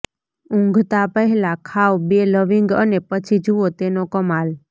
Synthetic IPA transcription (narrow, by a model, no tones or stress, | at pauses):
ũŋɡʱt̪apəɦɛlãkʰaʋbeləʋiŋɡənepət͡ʃʰid͡ʒuot̪enokəmal